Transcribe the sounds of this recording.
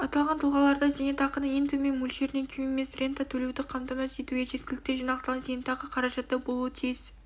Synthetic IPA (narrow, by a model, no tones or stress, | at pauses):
ɑt̪ɑlˠʁɑnt̪ʰʊlˠʁɑlˠɑɾd̪ɑzenet̪ɑqənəɴent̪ume̞nmulʃe̞ɾɪneŋkʲʰɪmeme̞srʲe̞nt̪at̪ʰɵle̞wd̪ɪqʰɑmt̪ɑmɑse̞t̪uɡʲeʒe̞t̪̚kʲɪlɪkt̪e̞ʒijnɑqt̪ɑlˠʁɑnzenet̪ɑqəqʰɑɾɑʒɑt̪ːɑbo̞lˠuət̪ʰijz̥